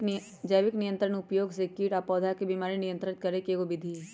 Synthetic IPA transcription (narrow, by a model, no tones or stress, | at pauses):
d͡ʒəʋɪknɪjə̃nt̪ɾəɳ̃ʊpjoːɡsekiːʈapɔːd̪ʱakebimaːɾinijə̃nt̪ɾət̪kɐɾekeɡobɪd̪ʱi